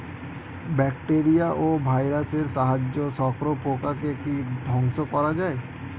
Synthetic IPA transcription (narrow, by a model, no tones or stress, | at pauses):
bɛkʈeɾijaʔobʱajɾaseɾʃaɦad͡ʑːoʃɔkɾopokakekid̪ʱɔŋʃokɔɾad͡ʑae